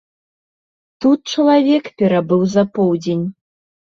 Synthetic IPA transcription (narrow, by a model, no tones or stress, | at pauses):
t̪ut̪̚t͡ʂɐlˠavʲɛkpʲɛɾabɨwzɐpɔwd͡zʲenʲ